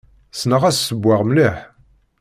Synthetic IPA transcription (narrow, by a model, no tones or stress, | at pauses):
snəʁæssəbːaʁmliħ